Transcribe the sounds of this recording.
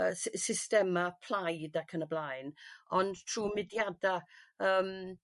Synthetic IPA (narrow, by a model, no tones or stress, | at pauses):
əssɪstɛmapʰl̥ˠajdakʰənəblajnɔntʰruːmɪdjadaəːm